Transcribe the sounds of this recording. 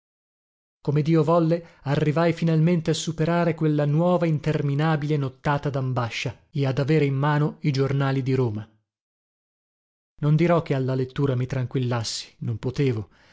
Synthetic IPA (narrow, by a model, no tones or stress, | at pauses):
komed̪iːovɔlːearːivajfinalment̪easːupeɾaːɾekwelːanwɔːvaint̪erminaːbilenot̪ːaːt̪ad̪ambaʃːa | ead̪aveːɾeimːaːnoid͡ʒornaːlid̪iɾoːma | nond̪iɾɔk̟ːealːalet̪ːuːɾamit̪ɾaŋkwilːasːi̥nompot̪eːvo